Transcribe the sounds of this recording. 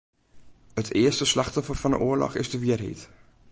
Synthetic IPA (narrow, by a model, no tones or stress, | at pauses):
ətʰɪəstəslɑχtɔfərfɑndə̰ʔʊəɹlɔ̰χɪ̰zdəʋɪərɦḛt